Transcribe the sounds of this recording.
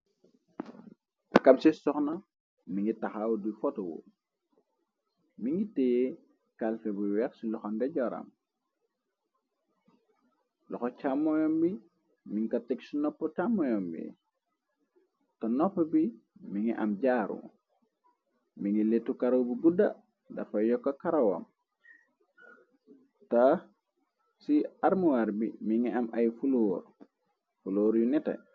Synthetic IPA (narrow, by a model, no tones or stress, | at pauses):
akɐmsisɔxnɐ | miŋɡitaxawdufɔtɔwṵ | miŋitɛje | kalfɛbuwɛksilɔxɔndɛɟɔɾɐ̰m | lɔxɔcamːɔjɔmbi | miŋkɐtɛksinɔpːɔcamːɔjɔmbḭ | tɐnɔpːɐbimiŋiʔɐ̰mɟaːɾṵ | miŋiletːukaɾowbibudɐ | dɐ̰fɐjɔkːɐkaɾɐwɐ̰m | ta | siaɾmuwaɾbḭmiŋiɐmajfuloːɾ | fuloːɾjunitɐ̰